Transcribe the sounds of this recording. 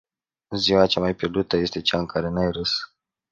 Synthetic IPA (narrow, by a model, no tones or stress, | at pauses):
ziwat͡ʃamajpʲjerd̪ut̪əje̞st̪e̞t͡ʃaɨŋkaɾe̞najɾɨs